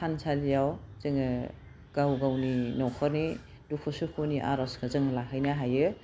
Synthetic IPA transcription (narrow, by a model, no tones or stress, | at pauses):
ansʰalijawz̥ɯŋɯ | ɡ̥awɡawninɔkʰɔɾni | dukʰusukʰoniʔa̰ɾɔskʰɯzɯŋlakʰajnaɦajɯ